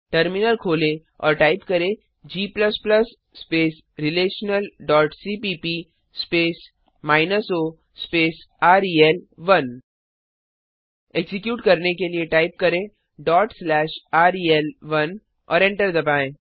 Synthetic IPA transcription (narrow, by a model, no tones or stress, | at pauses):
ʈəɾmɪnəlkʰoːlẽ | ɔ̰ːɾʈaːɪpkɐɾẽː | d͡ʒiːplɐsplɐsː | peːs | ɾɪleːʃnəlɖɔːʈsiːpiːpi | speːs | maːɪnəsoː | speːs | aːɾiːɛlʋɐn | eːɡsɪkjuːʈkɐɾnekelieʈaːɪp̚kɐɾẽː | ɖɔːʈslɛːʃaːɾiːɛlʋɐn | ɔ̰ːɾɛ̃ɳʈəɾd̪ɐbaːẽː